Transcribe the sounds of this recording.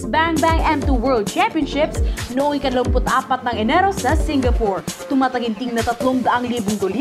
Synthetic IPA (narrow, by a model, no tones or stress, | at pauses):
baŋkbaŋɛmt̪uwɛɹld̪̚t͡ʃampjɔnʃɪpsnʊʔoŋʔɪkɐnloŋpʊt̪ʔaːpɐt̪̚nɐŋɛnɛɾosɐsɪŋɡɐpɔɹt̪ʊmaːt̪ɐɡɪnt̪ɪŋnɐt̪ɐt̪loŋd̪ɐʔaŋliːbʊŋd̪olj